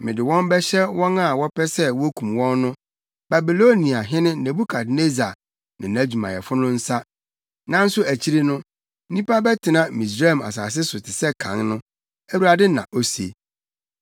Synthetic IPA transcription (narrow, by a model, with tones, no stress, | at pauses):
mɪ̃˨dɪ˨wɔ̃˦mbɛ˦ɕɛ˦wɔ̃˦na˦˨wɔ˦pʰɛ˦sɛ˦wɔ˦kʰũ˨mwɔ̃˦nːʊ̃˦ | b̥a˨bi˨lo˦nĩ˨a˨ɦɪ̃˦nɪ̃˦ne˨bu˦kʰa˨d̚ne˦za˨ | nɪ̰̃˨næ˦d͡ʑu˨mã̰˨jɛ˨fʊ˦nʊ̃˦n̩˦sa˦ | nã˦n̩˦sʊ˦æ˨t͡ɕʰi˦ɾe˦nʊ̃˦ | nĩ˦pa˦bɛ˦tʰɪ˨nã˨mĩ˨s̬a˦˨ma̰˨s̬aː˨s̬ɪ˦sʊ˨tʰɪ˨sɛ˦kʰã̰˨˦ŋnʊ̃˦ | æ˦wu˦ɾa˨dɪ˦nã̰˨ʔo˦sḛ˨